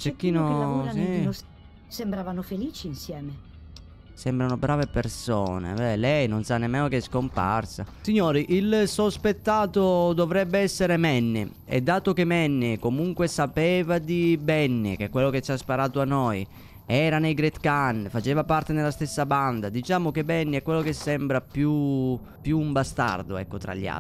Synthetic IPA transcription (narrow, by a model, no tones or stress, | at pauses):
t͡ʃekːiːnoasi | sembɾaːvanofeliːt͡ʃiːnsjɛːme | sɛmbɾanobɾaːvepersɔːnḛbɛlɛjnonsanːemːɛːnokeskompa̰rsa̰siɲːoːɾiʔilsospet̪ːaːt̪od̪ɔvɾɛbːeɛsːeɾemɛnːḛ | ḛd̪ːaːt̪okemɛnːɪkomuŋkwesapɛːvad̪ibɛnːḛk̟ekːwelːoket͡ʃːaspaɾaːt̪oanːɔj | ɛːɾanejɡɾet̪kanfat͡ʃɛːvapart̪enelːast̪esːaband̪ad̪it͡ʃaːmokebːɛnːiɛkːwelːokesːɛmbɾapju | pjuːmbast̪a̰rd̪oɛ̰kːot̪ɾa̰ʎːia̰